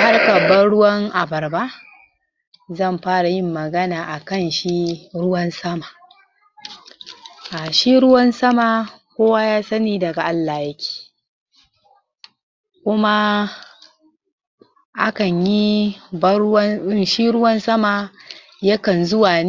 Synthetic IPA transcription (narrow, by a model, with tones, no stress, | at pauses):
ha˦rka˨bɐ˦ɽʊ˦wɐ˦ŋʔa˨bɐ˨rba˦ʔ | zɐ˦˨mɸaː˦ɽa˨jɪ˦˨mːɐ˨ɡɐ˦naː˨ʔa˨kɐ˦˨nʃi˦ɾʊ˦wɐ˦nsɐ˦maː˨ | ʔa˨ʃi˦ɾʊ˦wɐ˦nsɐ˦ma˨kʷoː˦wa˦jaː˦sɐ˦niː˦dɐ˨ɡa˨ʔa˦lːaː˨jɐ˦kʲʰe̥ː˨ | kʷʊ˦ma˦ | ʔa˦kɐ˨ɲji˦bɐ˦ʃi˦ɽʊ˦wɐ˦nsɐ˦ma˨ | jɐ˦kɐ˨nzʊ˦waː˨ne˦